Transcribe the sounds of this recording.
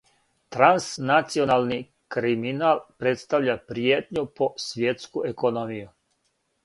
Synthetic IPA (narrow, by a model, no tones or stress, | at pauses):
t̪ɾansnat̪sionalni | kɾiminaːlˠpɾet̪st̪aʋʎapɾijet̪ɲuposʋjet̪skuekonomiju